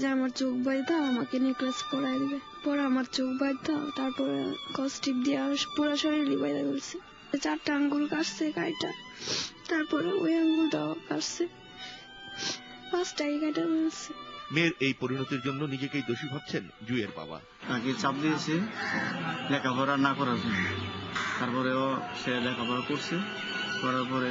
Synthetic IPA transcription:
d͡ʑeamaɾt͡ɕokbajd̪ʱaamakeniklaskɔɾajd̪ibe | pɔɾeamaɾt͡ɕokbajd̪ʱat̪aɾpɔɾḛkɔsʈib̚d̪ijapuɾaʃoɾiɾlibajd̪aɡolt͡ɕʰe | t͡ɕaɾʈaɦaŋɡulkaɾsekajʈa | t̪aɾpɔɾeojaŋɡult̪akaɾse | pasʈaekajʈabolsʰemeɾejpoɾinot̪iɾd͡ʑonːonid͡ʑekejd̪oʃibʱab̚t͡ɕʰend͡ʑueɾba̰ba̰ | t̪aket͡ɕap̚d̪ijet͡ɕʰi | lɛkʰabʱɔɾanakɔɾad͡ʑon | t̪aɾpɔɾeoʃelɛkʰabʱɔɾakoɾsʰe | kɔɾapɔɾe

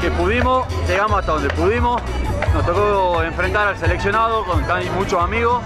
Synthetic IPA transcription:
kepuðimosʒeɣamosast̪aðo̞nd̪epuðimos | nost̪okoeɱfɾent̪aɾalseleksjo̞naðokoŋk̪ajmut͡ʃoamiɣo

